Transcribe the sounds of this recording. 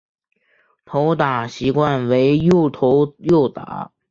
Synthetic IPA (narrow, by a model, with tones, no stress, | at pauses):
t̪ʰo˧˥ʊt̪a˨˩ɕi˧˥kwa˥˩nwe˧˥ɪjo˥˩ʊt̪ʰo˧˥ʊjo˥˩ʊt̪a̰˨˥˦